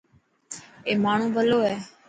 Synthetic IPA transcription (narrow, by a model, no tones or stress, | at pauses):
eːmaːɳ̤ũːʋʱəloːɦɛː